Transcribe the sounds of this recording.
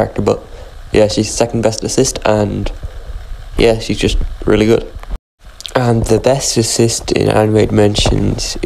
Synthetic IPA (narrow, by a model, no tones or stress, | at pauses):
ɛ̰k̚təbʌʔ̚jæʃiz̥sɛkn̩bɛstɨsɪstə̃n | jæʃizd͡ʒʌst̚ɹɪ̰lˠiɡʊd̥ | ə̃nðəbɛstɨsɪstʰɪ̰̃næ̰̃nmeɪd̚mɛ̃nʃɨ̰̃nz̥